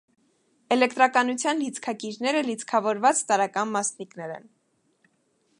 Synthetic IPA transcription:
ɛlɛkt̪ɾɑkɑnut͡sʰjɑnlit͡sʰkʰɑkiɾnɛɾəlit͡skʰɑvɔɾvɑt͡st̪ɑɾɑkɑnmɑsniknɛɾɛ̰n

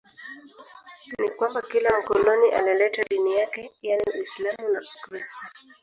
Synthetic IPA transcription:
nikwambakilam̩kɔnɔniʔa̰lɛlɛtaɗinijakɛjaniislamunakɾista

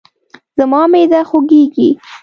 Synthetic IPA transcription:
z̥əmɑmed̪axoɡeɡi

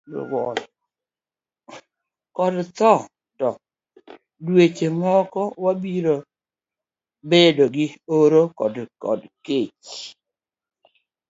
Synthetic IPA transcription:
wɔl | kɔdt̪ɔ | tɔ | dwet͡ʃemɔkɔwabiɾo | bedoɡɪoɾokɔdkɔ̰dket͡ʃ

